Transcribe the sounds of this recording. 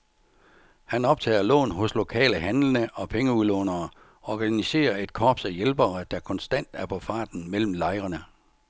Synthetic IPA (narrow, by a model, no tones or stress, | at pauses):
hænɒ̽b̥̚t͡sʰɛ̰ːɐlɔ̰ːnɦɔ̽slo̝kʰɛ̰ːləɦænlənəʔɒ̽pʰeŋəuðˠlɔ̰ːnɐː | ɒːɡ̥ænise̝̰ːɐe̝d̥kʰɒːb̥sæjelb̥ɐəd̥ɑ̈kʰɒ̽nsd̥æn̰d̥æɐpʰɒ̽fɑ̰̈ːd̥n̩mel̰m̩lɑ̈ɪʁɐnə